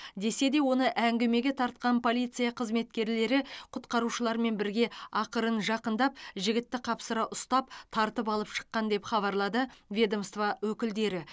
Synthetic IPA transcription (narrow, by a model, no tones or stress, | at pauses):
d̪e̞se̞d̪e̞wo̞nəʔæŋɡʲɪme̞ɡʲe̞t̪ʰɑɾt̪̚qɑnpʰo̞lˠijt̪sɨjɑqʰəzme̞t̪kʲe̞ɾle̞ɾɪqʰʊt̪qɑɾuʃəlˠɑɾme̞nbɪɾɡʲe̞ɑqəɾənʒɑqənd̪ɑp̚ʒɪɡʲɪt̪ːɪqʰɑpsəɾɑʔʊst̪ɑp̚t̪ʰɑɾt̪əp̬ɑlˠəpʃə̥qːɑnd̪e̞pχɑβɑɾlˠɑd̪əvʲed̪omst̪vɑwɵkʲɪld̪e̞ɾɪ